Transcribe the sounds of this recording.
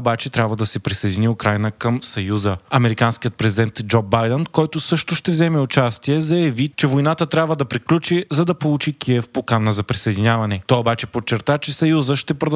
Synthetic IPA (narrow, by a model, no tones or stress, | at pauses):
obat͡ʃɛt̪ɾʲabvəd̪ɐsɛpɾisɐjd̪ʲiniʊkɾajnəkɐmsɐjuzəɐmɛɾikanskijət̪̚pɾɛzʲid̪ɛnt̪d͡ʒɔbajd̪ɛnkɔjt̪ʊsɤʃt̪ʊʃt̪ɛvzɛmɛʊt͡ʃast̪iɛzɐjɐvit͡ʃɛvojnat̪ət̪ɾʲabvəd̪ɐpɾiklʲut͡ʃizɐd̪ɐpolˠut͡ʃikʰiɛfpokanəzɐpɾisɐjd̪inʲavɐnɛt̪ɔjobat͡ʃɛpot͡ʃːɛɾt̪at͡ʃɛsɐjuzəʃt̪ɛpɾod̪